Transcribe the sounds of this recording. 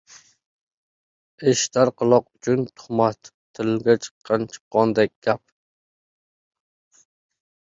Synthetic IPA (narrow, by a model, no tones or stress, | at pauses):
eʃt̪ʰaɾqʰɨlˠɒqʊt͡ʃʰʊnt̪ʰʊ̥χmat̪t̪ʰːɪlɡʲat͡ʃʰɨ̥qʰːɑnt͡ʃʰɨ̥qːɒnd̪ɛk̚ʲɡ̥ʲap̚